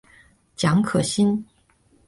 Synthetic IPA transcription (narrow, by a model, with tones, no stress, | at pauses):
t͡ɕjɑ˧˥ŋkʰɤ˨˩ɕi˥n